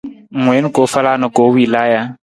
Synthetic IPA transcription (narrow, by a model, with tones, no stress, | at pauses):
ŋwe˨˦n̩˦ko˨fa˦la˦nɔ˨ko˨˦wi˨la˦ja˦